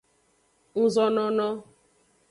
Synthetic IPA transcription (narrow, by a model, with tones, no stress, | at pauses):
n̩˦zɔ˦nɔ˦nɔ˦